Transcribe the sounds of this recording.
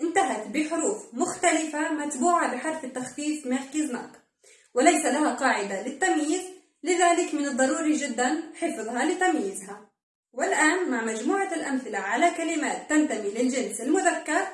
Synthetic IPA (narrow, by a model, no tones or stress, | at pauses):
ʔɪnt̪aɦat̪bɪħʊɾuːfmʊxt̪alɪfamat̪buːʕabɪħɑɾˤfɪt̪ːaxfiːfmaxkiznɑ̰ːq̪ | wɪlajsalaɦaqɑːʕɪd̪alɪt̪ːamjiːz | lɪðaːlɪkmɪnɨd̪ˤːɑɾuːɾiʒɪd̪ːanħɪfðˤhɑlɪt̪amjiːzha | wɪlʔaːnmaʕmad͡ʒmuːʕalʔamθɪlaʕalakalɪmaːt̪ːant̪amilɪlʒɪnsɪlmʊðakːɑɾˤ